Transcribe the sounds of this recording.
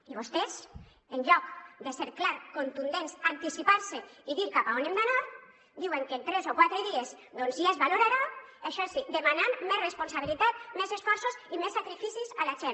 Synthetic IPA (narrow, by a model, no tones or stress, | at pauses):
iβost̪ez | enʎɔkd̪eseɾklaɾkont̪und̪ensant̪isipaɾseiðiɾkapaonemd̪anaɾ | d̪iweŋkent̪ɾezokwat̪ɾeðiez | d̪onziazβaloɾaɾaaʃɔsid̪emanammɛzresponsaβ̞ilit̪at̪̚mɛzesfɔɾsuzimesːakɾifisizalaʒen